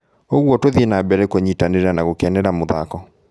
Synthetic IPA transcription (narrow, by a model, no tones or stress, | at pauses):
oɣwɔtoðenabɛɾɛkoɲitaneɾanaɣokɛnɛɾamoða̰kɔ